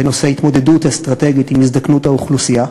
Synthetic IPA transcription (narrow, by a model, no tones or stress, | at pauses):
enosehit̪mo̞d̪e̞duthast̪ʁate̞ɡitimizd̪aknutauχlusia